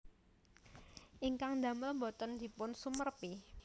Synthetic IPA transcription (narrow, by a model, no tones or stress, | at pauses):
ʔiŋkaŋd̪a̤məlmbot̪ɔnd̪̥i̤pʊnsumərpi